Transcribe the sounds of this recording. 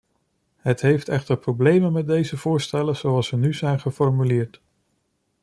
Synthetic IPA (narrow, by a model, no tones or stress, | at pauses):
ɦətɦejftɛχtəɹprowblejmənmɛt̚dejzəv̥ʊːɹstɛləz̥owɑlˠsənyzɛjnχəfɔɹmylɪːɹt